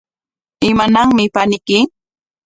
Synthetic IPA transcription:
ɪmanaŋmɪpanɪkɪ

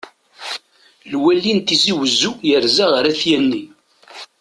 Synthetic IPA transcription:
lwælːint̪iziwəzujəɾzaʁəɾæθjænːi

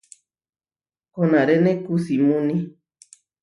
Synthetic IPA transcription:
honãɾenẽkusimũnĩ

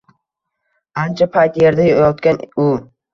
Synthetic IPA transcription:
ant͡ʃʰapʰajt̪jeɾd̪ajjɒt̪kʲanʊ

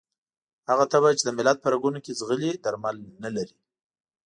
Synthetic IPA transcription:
haɣat̪abajt͡ʃed̪əmɪlad̪̚pəɾaɡunokezɣəlid̪aɾmalnalaɾi

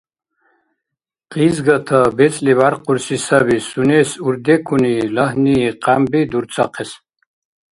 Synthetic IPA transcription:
qizɡat̪ʰabɛt͡sʼlivaɾqʰʼuɾsisabisunɛsuɾd̪ɛkʰunilaɦniːqʼambid̪uɾt͡sʼʰaqʰɛs

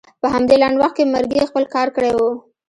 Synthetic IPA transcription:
pəɦamd̪elaɳɖwaxt̪̚kemaɾɡexpəlkɑɾkəɽewu

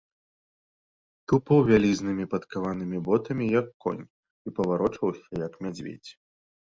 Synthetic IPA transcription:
t̪upɐwvʲalʲiznɨmʲipɐt̪kavanɨmʲibɔt̪ɐmʲijɐkːɔ̰nʲ | ipɐvaɾɔt͡ʂɐwsʲɐjɐkmʲad͡zʲvʲḛd͡zʲ

